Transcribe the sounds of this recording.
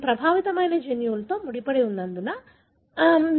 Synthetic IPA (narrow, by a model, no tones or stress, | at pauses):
pɾɐbʱaːʋit̪ɐmɐjnɐd͡ʒenjuːlt̪o̞ːmuɽipɐɽeund̪ɐnd̪unɐ